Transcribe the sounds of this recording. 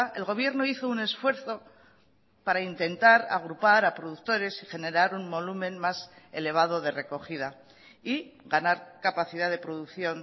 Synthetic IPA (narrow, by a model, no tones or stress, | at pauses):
e̞lɣo̞βje̞ɾno̞iθo̞une̞sfwe̞ɾθo̞ | paɾaint̪e̞nt̪aɾa̰ɣ̞ɾupaɾapɾoðuk̚t̪o̞ɾe̞siχe̞ne̞ɾaɾuŋbo̞lumẽ̞nmase̞le̞β̞aðo̞ðe̞re̞ko̞χið̞a | iɡanaɾkapaθiðaðe̞pɾo̞ðukθjo̞n